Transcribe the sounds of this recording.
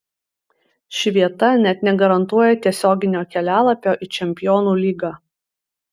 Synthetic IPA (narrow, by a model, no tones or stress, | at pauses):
ʃʲɪʋʲiɛt̪ɐnʲɛt̪nʲɛɡɐɾɐnt̪uɔjɛt̪ʲiɛsʲoːɡʲɪnʲoːkʲɛlʲæːlˠɐpʲoːʔit͡ʃʲɛmʲpʲɪjoːnuːlʲiːɡɑː